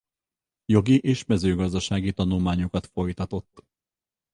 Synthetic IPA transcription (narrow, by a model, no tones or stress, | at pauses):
jo̞ɡiʔeːʃmɛzøːɡɒzd̪ɒʃaːɡit̪ɒnulmaːɲokɒt̪fo̞jt̪ɒt̪o̞t̪ː